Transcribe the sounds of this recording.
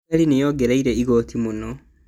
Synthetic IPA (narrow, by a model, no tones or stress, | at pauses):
alinejoɡeɾaiɾeiɣotʰimunɔ